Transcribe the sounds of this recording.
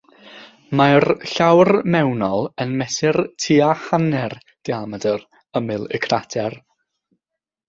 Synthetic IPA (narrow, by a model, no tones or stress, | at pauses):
marɬawrmɛwnɔlˠənmɛsɪrtʰiaχanɛr | d̥iamadər | əmɨlˠɪ̰kʰratʰɛr